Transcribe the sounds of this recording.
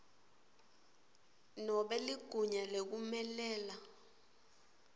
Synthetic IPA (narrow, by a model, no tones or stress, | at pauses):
nɔɓɛliɡ̥ʱuɲalek̬umɛlɛːla